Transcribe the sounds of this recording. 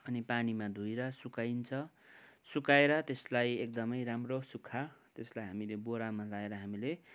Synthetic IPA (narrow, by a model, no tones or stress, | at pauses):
ʌnipanimad̪ʱujɾʌsukajnt͡sʰʌ | sukaeɾʌt̪eslajek̚d̪ʌmʌjɾamrosukʰːat̪eslajɦamileboɽamalaeɾʌɦamile